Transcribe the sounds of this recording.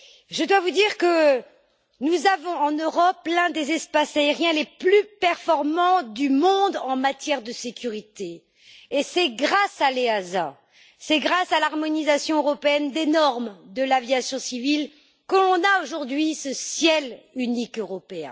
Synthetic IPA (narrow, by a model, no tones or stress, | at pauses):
ʒəd̪wavud̪iʁkə | nuzavɔ̃ɑ̃nøʁɔplɛ̃d̪ezɛspasaeʁjɛ̃leplypɛʁfɔʁmɑ̃d̪ymɔ̃d̪ɑ̃mat̪jɛʁd̪əsekʲyʁit̪eː | sɛɡʁasaleaza̰ | sɛɡʁasalaʁmɔnizasjɔ̃øʁɔpeɛnd̪enɔʁmd̪əlavjasjɔ̃sivil | kəlɔ̃naoʒuʁd̪ɥisəsjɛlynikøʁɔpeɛ̰̃